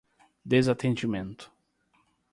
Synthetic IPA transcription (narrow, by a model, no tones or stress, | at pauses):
d̪ezat̪ẽnd͡ʒimẽnt̪ʊ̥